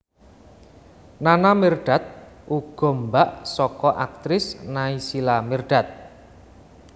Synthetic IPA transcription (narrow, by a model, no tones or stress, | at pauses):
nanamirɖ̥a̤t̪̚ʔuɡ̥ɔ̤mbaʔsɔkɔʔak̚t̪ɾɪsnaisilamerɖ̥a̤t̪̚